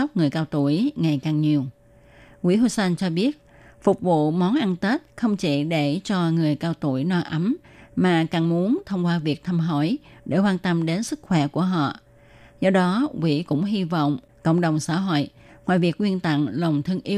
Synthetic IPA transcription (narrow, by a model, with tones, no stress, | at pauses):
wk͡p̚ŋɨ˨˩əjkaː˧wt̪u˧˩əjŋa˨˩jkaː˨˩ŋɲi˨˩əw | kwḭ˧˥ɦu˧sɛ˧nt͡ɕɔ˧ɓi˦˥ət̚ | fʊ˨˩k͡p̚vṵ˧˨mɔ˨˦nʔa˧nt̪e˦˥t̚xə˧wŋ͡mt͡ɕi˧˩ɗe˧˩t͡ɕɔ˧ŋɨ˨˩əjkaː˧wt̪ṵ˧˩əjnɔ˧jʔa˨˦mmaː˨˩kaː˨˩ŋmu˨˦ənt̪ʰə˧wŋ͡mkwaː˧vi˨˩ək̚t̪ʰa˧mɦo̰˧˩jɗe˧˩kwaː˧nt̪ə˧mɗe˨˦nsɨ˦˥k̚xwɛ˧˩ku˧˩əɦɔ̰˧˨ | zɔ˧ɗɔ˨˦kwḭ˧˥kʊ̰˧˥ŋ͡mɦi˧vɔ̰˧˨wŋ͡m | kə̰˧˨wŋ͡mɗə˨˩wŋ͡msa̰ː˧˥ɦo̰˧˨j | ŋwaː˨˩jvi˨˩ək̚ŋwi˧ənt̪a̰˧˨ŋlə˨˩wŋ͡mt̪ʰɨ˧əŋʔi˨˦